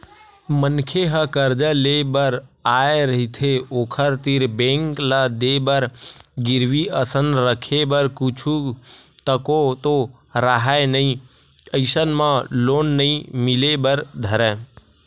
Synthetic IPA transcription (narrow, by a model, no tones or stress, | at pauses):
mənkʰeɦəkəɾd͡ʒəlebəɾaːeɾəɦit̪ʰeoːkʰəɾt̪ɪɾbẽːŋklad̪ebəɾɡɪɾʋiəsənɾəkʰebəɾkʊt͡ʃʰu | t̪əkot̪o | ɾaɦaenəĩ | əɪsənmãloːnːəĩmɪlebəɾd̪ʱəɾɛ̃ː